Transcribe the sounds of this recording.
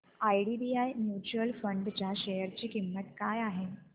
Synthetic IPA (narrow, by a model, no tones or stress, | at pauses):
ajɽiɖiajnjut͡ɕuəlfəɳɖt͡ɕjaɕejəɾt͡ɕiːkimːət̪kajaɦe